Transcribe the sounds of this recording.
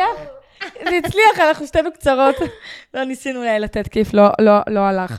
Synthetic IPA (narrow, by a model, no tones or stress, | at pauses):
aχ | zeit͡sliaχanaχnuʃtenukt͡saʁo̞t̪lonisinuulajlat̪et̪kiflololoalaχ